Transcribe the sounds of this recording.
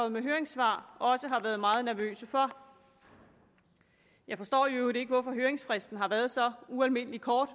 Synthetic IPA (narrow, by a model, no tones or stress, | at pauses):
ɒð̩ˠmeɦøːɐeŋsʋɑ̰̈ːɒ̽səɦɑ̈ʋæɐð̞̩ˠmɑ̈ːð̞̩ˠnæɐʋø̰ːsəfɒ | jɑ̈ɪfɒ̽sd̥ɔ̰ːjoɾe̝ɡ̥əʋɒfɒ̽ɦøːeŋsfʁɛsd̥n̩ɦɑ̈ʋæːɐð̞̩ˠsɒ̽uælme̝n̰əlikʰɒːd̥